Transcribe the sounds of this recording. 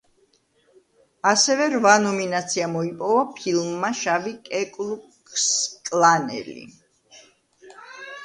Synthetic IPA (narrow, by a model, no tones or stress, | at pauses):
asɛvɛɾvanɔminat̪sʰiamɔipʼɔvapʰilˠmːaʃavikʼɛkʼlukʼ | skʼlˠanɛ̰lḭ